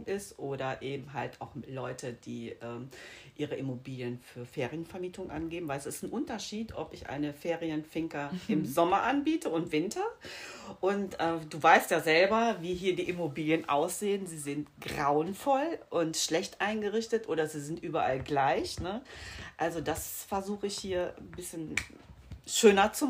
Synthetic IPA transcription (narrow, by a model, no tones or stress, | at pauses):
ɪstʔoːdɐʔeːbm̩ɦalta̰ʊxlɔʏtʰəd̥iːʔɛːmʔiːʁəʔɪmobiːljənfyːɐfeːʁijənfɛɐmiːtʊŋʔa̰nɡeːbm̩vaɪɛsɪstn̩ʔʊntɐʃiːtʰʔɔ̰pɪçʔa̰ɪnəfeːʁiənfɪŋkɐʔɪmzɔmɐʔanbiːtʰəʊntv̥ɪntʰɐ | ʔʊntʔɛːd̥uːvaɪstjaːzɛlbɐviːɦiːɐdiːʔɪmobiːljənʔa̰ʊsz̥eːənziːzɪntɡ̥ʁaʊənfɔlʔʊntʃlɛçtʔaɪnɡəʁɪçtətʔoːɾɐziːzɪntʔyːbɐʔalɡlaɪçnəʔalzodasfɛɐzuːχəɪçhiːɐbɪsçən | ʃøːnɐt͡su